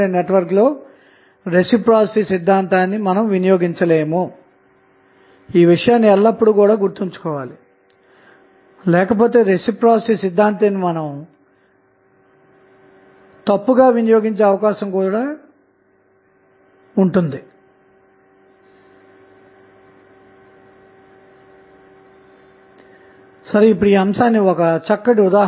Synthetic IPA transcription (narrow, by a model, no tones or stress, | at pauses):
eneʈʋɐɾklo̞ː | ɾesipɾaːsisid̪ʱːaːnt̪aːnːimɐnɐmʋinɐjo̞ːɡiɲt͡ʃɐle̞ːmu | iːʋiʂɐjaːnːiɛlːɐpːuɽukuːɽaːɡuɾt̪iɲt͡ʃu̥kɔːʋaːli | lɛːkɐp̬o̞ːt̪e̞ːɾesipɾaːssisid̪ʱːaːnt̪ɐnːimɐnɐm | t̪ɐpːuɡaːʋinijo̞ːɡiɲt͡ʃeːɐʋɐkaːʃɐmkuːɽaː | uɳʈund̪i | sɐɾeipːuɽuiːɐmsaːnːiɔkɐt͡ʃɐkːɐʈ̬iud̪aː